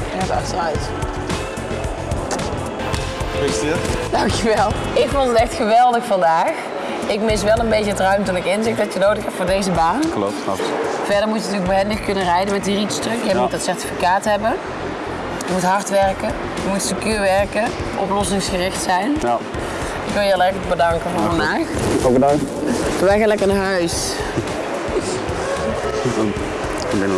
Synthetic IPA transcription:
ətɑ̰xtərœɥt | pestɪtd̥ɑŋkjəʋɛlˠ | ɪkfʊlˠdətɛxtxəʋɛlˠdəxfɑndaːx | ɪkmɪs̬ʋɛlˠənbejcəətrœɥmtɔnɪkɪnzɪxtdɑtənowdəxɛpfʊːɹdejzəbaːnklɔ̰p̚tɑ̰pv̥ɛɹdəɹmucjəntyːləɡ̚bəɦɛndəxkɵnərɛjdənmɛtɦiːritstəkjəmutətsɛɹti̥fikaːtɦɛbə | jəmutɦɑɹtʋɛɹkə | jəmutsəkyːʋɛɹkə | ʔɔ̰plɔsɪŋsxərɪxtsɛjn | ɪkʋɪlˠjəɑlɛɹələɡ̚bədɑŋkəvʊːɹvɑndaːxɔɡəna | əʋɛjɣanlɛkənɦœɥs | bɪn

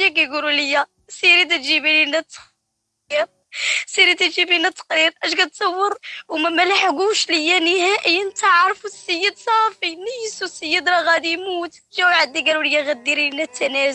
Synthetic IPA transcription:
jækæjɡululəjːæ | siɾit̪̬æt̪ʒibilinæt̪ːq | əɾ | siɾit̪æt̪ʒibinæt̪ːə̥qɾiɾʔæʃɡæt̪̚t̪sˤɑwːəɾˤwmæmælaħɡuʃləjːænəhæʔəjːənt̪əʕɾˤfusːəjːəd̪sˤɑfinəjsusəjːəd̪ɾɑɣæd̪imut̪t̪ʒæwʕad̪ːiɡæluləjːæɣæd̪iɾiinæt̪ʰːænæz

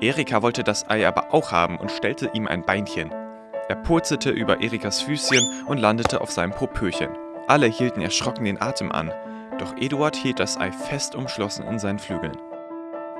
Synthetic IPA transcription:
ʔeːʁikʰavɔltədasʔa̰ɪʔaːbɐ̰ʔaʊxha̰ːbm̩ʔʊ̰ntʃtɛltəʔiːmʔa̰ɪnbaɪnçən | ʔeːɐpʰʊɐt͡sl̩tʰəʔyːbɐʔeːʁikasfyːsçənʔʊntlandətʰəʔa̰ʊfz̥aɪnəmpʰopʰøːçə̰n | ʔaləhiːltn̩ɛ̰ɐʃʁ̥ɔkŋ̩deːnʔaːtʰəmʔa̰n | d̥ɔχʔeːduaɐthiːlt̚d̥asʔa̰ɪfɛstʔʊmʃlɔsn̩ɪ̰nzaɪnənflyːɡl̩n

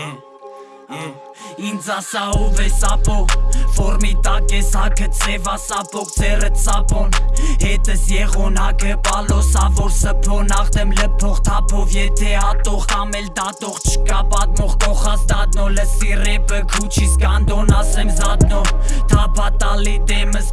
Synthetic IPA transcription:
ind͡zɑsɑɔvɛsɑpʰɔfɔɾmit̪ɑkɛsɑkʰət͡sʰɛvɑsɑpʰɔʁt͡sʰɛrət͡sɑpɔnhɛt̪ʰəsjɛʁɔnɑkʰəpʼɑlɔsɑvɔɾsəpʰɔnɑʁd̪ɛmləpʰɔχt̪ʰɑpʰɔvjɛt̪ʰɛɑt̪ɔχɑmɛld̪ɑt̪ɔʁt͡ʃʰə̥kɑpɑt̪̚mɔʁkɔχɑsd̪ɑd̪̚nɔləsirɛpəkʰut͡ʃʰiskɑnd̪ɔnɑsɛmzɑd̪̚nɔt̪ʰɑpʰɑt̪ɑlit̪ɛməs

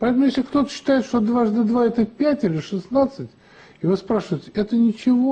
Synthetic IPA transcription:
pɐɛt̪əmʊjesʲlʲɪkt̪o̞t̪ə̥ɕːɪ̥t̪aɪt̪ʂt̪od̪vaʐd̪ɐd̪vaɛt̪əpʲætʲilʲɪʂɨsnat̪sɨtʲ | ɪvɨspɾaʂəvəɪtʲɪɛt̪ənʲɪt͡ɕɪvo̞

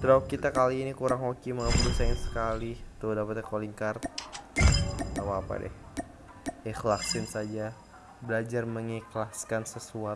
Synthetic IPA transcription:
t̪ɾaukːit̪akaliːnikuɾaŋhokimaŋəbəɾusaɪnsə̥kalit̪udapət̪ɛkoliŋkart̪̚ | apaːpa̰dɛ̰h | ixlaksɪnsad͡ʒa | bəlad͡ʒarməŋiklaskansəsua

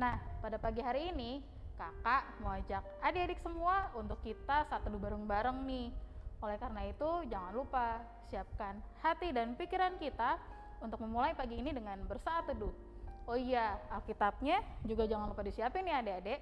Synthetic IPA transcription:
nahpadapaɡiɦaɾiːni | kakaʔmowad͡ʒak̚adeadɛksəmuaunt̪ʊkːit̪asaat̪ːəduhbaɾəŋbaɾəŋnɪholɛhkaɾənait̪ud͡ʒaŋanlupa | siap̚kanhat̪idanpikiɾankit̪a | unt̪ʊk̚məmulaipaɡiːnidəŋanbərsaːt̪ːudʊh | oijaalkit̪ap̚ɲad͡ʒuɡad͡ʒaŋanlupadisiapɪnːiadeadɛʔ

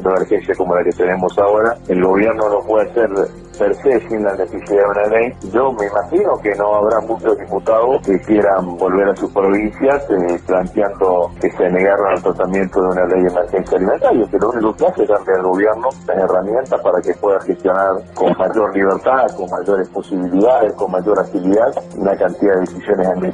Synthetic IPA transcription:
nd̪oemeɾxensjakomo̞laket̪ene̞mo̞saoɾaelɣo̞β̞jeɾno̞nopweðaseɾ | peɾsesinlanesesiðaðunalejʒo̞meimaxino̞keno̞aβɾamũt͡ʃo̞zðiput̪aðoskekjeɾambo̞lβeɾasuspɾo̞βinsjasplant̪jand̪okeseneɣaɾonalt̪ɾat̪amjent̪oðeunalejðemeɾxensjaliment̪aɾjekelosunikoskasehβand̪ealɣo̞βjeɾnolaseramje̞nt̪aspaɾakepweðaxest̪jo̞naɾko̞nmaʒo̞ɾliβ̞eɾt̪aðko̞ŋmaʒo̞ɾespo̞siβiliðaðesko̞nmaʒo̞ɾat̪iliðaðunakant̪iðaðeðesisjo̞nesane

